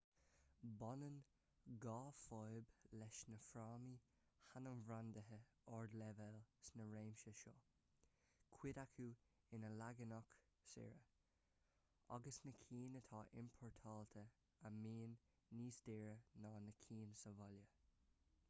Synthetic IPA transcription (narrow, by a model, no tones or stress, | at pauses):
bɔnən | ɡɑːfɔjblɛʃnəfɾaːmi | hanəmvɾandəɦə | ɔɹd̪lɛvɛlsnəɹeːmʃəʃɔː | kʰwɪdakʰu | ɪnəlaɡənɔk | sɪ̰ɹə | a̰ɡəsnəkʰiːnət̪ʰɑːʔɪ̰mpʰɔɹt̪ʰɑːlt̪ʰə | amiːnː | iːsdɪɹənɑːnəkʰiːnsəvɔljə